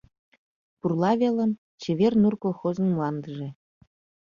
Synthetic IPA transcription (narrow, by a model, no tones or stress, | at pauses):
purlɑβelə̆m | t͡ɕĕβernurkolˠxozə̆nmuɑnd̪əʒĕ